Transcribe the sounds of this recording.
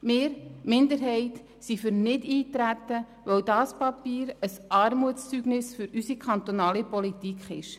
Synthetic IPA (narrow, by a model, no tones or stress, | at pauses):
mɪːɾmɪnd̪əɾɦɛɪt | sifʏɾnɪdiːtɾæt̪ːə | ʋœwdɑːspɑpiːɾəsɑːɾmuətt͡st͡syɡnɪsfʏɾysikʰɑnt̪onɑːlipɔlit̪ikχɪ̰ʃ